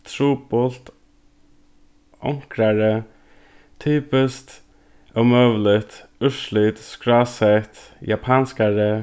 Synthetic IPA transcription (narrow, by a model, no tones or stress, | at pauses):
t̪ʰɾuːpɔlt̪ | ɔ̰ŋkɾaɹə | t̪ʰyːpəst̪ | ɔmøːʋlɪt̪ʊʂlit̪skɹaːsɛt̪ | japʰanskaɹə